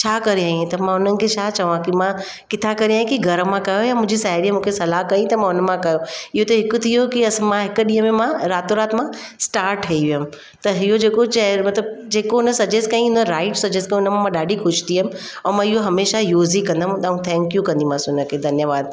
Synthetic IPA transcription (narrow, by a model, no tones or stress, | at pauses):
t͡ɕʰaːkɐɾeaːɦĩt̪ɐmãʊn̤ənɪ̆kʰet͡ɕʰaːt͡ɕɐʋãkimã | kɪt̪ʰakɐɾeaːɦĩkiɡʱɐɾəmãkɐjojamʊ̃ɦd͡ʑisaːɪɾimũːkʰesɐlaɦkɐĩt̪ɐmãʊnəmãkɐjoɪɦot̪ɐɦɪkʊt̪ʰijokiɐsmãɦɪk̆ɗĩːɦə̃mẽmãɾaːt̪oɾaːt̪mãsʈaːɾʈʰɐiʋiʊm | t̪ɐɦiɦod͡ʑeːkot͡ɕɐɾmɐt̪ləb̚d͡ʑeːkoɦʊnəsɐd͡ʑeskɐĩɦʊnəɾaːɪʈsɐd͡ʑeskɐ̃ʊnəmãmãɗaːɖʱixʊʃt̪ʰiɦəm̆ | ɐ̃ːmãɪɦoɦɐmeːʃajoːzikɐ̃nd̪amũt̪aũt̪ʰɛ̃ːŋkjũkɐ̃nd̪imãːsʊnəkʰeːd̪ʱɐnjəʋaːd̪̚